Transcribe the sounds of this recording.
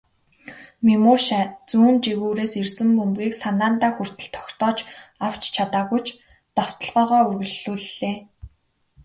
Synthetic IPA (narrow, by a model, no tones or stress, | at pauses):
mimuːʃat͡suːnt͡ɕiɣuːɾeːsirsɘ̆mːɵmɡʲiːksanaːnt̪aːxur̥t̪ɘ̆ɬt̪ʰːɔ̥xt̪ɔːt͡ɕaw̥t͡ɕt͡ɕʰat̪aːɣujt͡ɕ | t̪ɔw̥t̪ɞ̆ɮʁœːʁœːɵrɣɵ̆ɮuːɮːeː